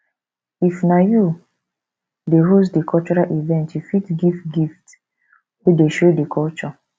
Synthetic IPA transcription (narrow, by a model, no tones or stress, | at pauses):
ifnaju | deɦosdikʰɔlt͡ʃɔɹalʔivɛ̃ntjufitɡiftɡift | wedeʃodekʰɔlt͡ʃɔ